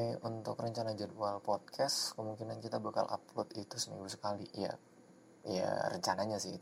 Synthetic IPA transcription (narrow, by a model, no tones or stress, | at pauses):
unt̪ʊ̰krəɲt͡ʃanad͡ʒɛdualpɔt̪̚kʰaskəmuŋkinankit̪abaka̰lʔa̰plot̪it̪usəmḭŋɡusə̥kalija̰ | ja̰ɾə̰ɲt͡ʃanaɲasɪh